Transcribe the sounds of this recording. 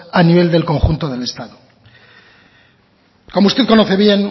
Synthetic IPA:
aniβ̞e̞ld̪e̞lko̞ŋxunt̪oðe̞le̞st̪aðo | ko̞moust̪e̞ðko̞noθe̞βje̞n

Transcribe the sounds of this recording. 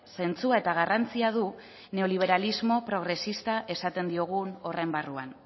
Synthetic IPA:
se̞nt͡suae̞t̪aɣ̞arant͡siað̞u | ne̞o̞liβ̞e̞ɾalizmo̞pɾo̞ɣ̞ɾe̞sist̪aʔe̞sat̪e̞nd̪io̞ɣuno̞rembarua̰n

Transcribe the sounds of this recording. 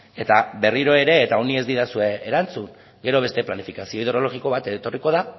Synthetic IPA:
e̞t̪abe̞riɾo̞e̞ɾe̞ːt̪aonie̞zd̪iðasue̞ːɾant͡suŋ | ɡe̞ɾo̞β̞e̞st̪e̞planifikasio̞iðeɾo̞lo̞ɣiko̞β̞at̪et̪o̞riko̞ða

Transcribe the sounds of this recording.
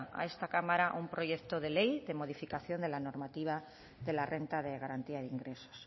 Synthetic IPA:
a̰e̞st̪akamaɾaʔumpɾo̞ʝe̞kt̪oðe̞lejðe̞mo̞ð̞ifikaθjo̞nd̪e̞lano̞ɾmat̪iβa | ðe̞larʔe̞nt̪aðeɣ̞aɾant̪iaðeiŋɡɾe̞so̥s

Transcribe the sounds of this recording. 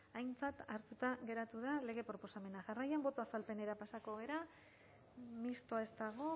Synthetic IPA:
ajnt͡sat̪aɾt̪ut̪aɣe̞ɾat̪uðale̞ɣ̞e̞pɾo̞po̞same̞naʝarajambo̞t̪o̞asalpe̞ne̞ɾapasako̞ɣ̞e̞ɾa | mist̪o̞ae̞st̪aɣ̞o̞

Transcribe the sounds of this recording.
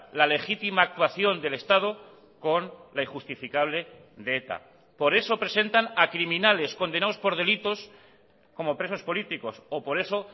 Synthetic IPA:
lale̞xit̪imaːk̚t̪waθjo̞nd̪e̞le̞st̪að̞o | ko̞nlaixust̪ifikaβ̞le̞ | ðeet̪a̰ | po̞ɾe̞so̞pɾe̞se̞nt̪anakɾimĩnale̞sko̞nd̪e̞naospo̞ɾð̞e̞lit̪o̞s | ko̞mopɾe̞so̞spo̞lit̪iko̞sopo̞ɾe̞so̞

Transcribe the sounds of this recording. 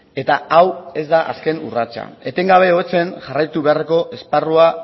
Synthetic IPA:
e̞t̪aawe̞zd̪aʔa̰ske̞nurat͡ʃa̰e̞t̪e̞ŋɡaβ̞e̞o̞et͡se̞nʝarajt̪uβe̞areko̞ʔe̞sparua

